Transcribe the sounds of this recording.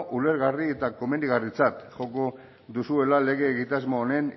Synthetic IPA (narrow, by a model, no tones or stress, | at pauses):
ʔule̞ɾɣarie̞t̪ako̞me̞nd̪iɣarit͡sat̪xo̞ko̞ | ðusue̞lale̞ɣ̞e̞ːɣit̪azmoːne̞n